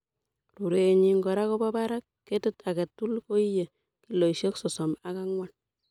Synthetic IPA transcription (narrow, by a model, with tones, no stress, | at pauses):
lu˨ɾeː˨ɲi˦ŋɡɔ˨ɾa˦ko˦bɔ˦ba˦ɾa˦kːe˦tɪ˦ta˨kɛ˨tu˦lko˦i˦je˨ | ki˨lo˨iʃe˦ksɔ˨sɔ˨ma˦ka˦ŋwa˨n